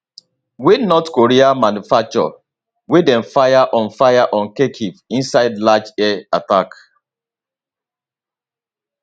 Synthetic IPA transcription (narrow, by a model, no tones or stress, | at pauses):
wenɔtkoɾiamanufak̚t͡ʃɔ̰ | wedɛ̃nfajaʔɔ̃nfajaʔɔ̃nkekʰivĩnsaɪdlad͡ʒɛɛatak